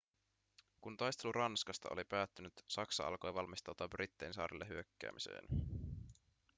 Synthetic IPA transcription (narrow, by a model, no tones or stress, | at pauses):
kunt̪ɑjst̪eluɾɑnskɑst̪ɑolipæːt̪ːynyt̪sɑksɑɑ̰lko̞jʋɑlmist̪ɑwt̪ɑbrit̪ːejnsɑ̰ːɾilːeɦyøkːæ̰ːmisḛːn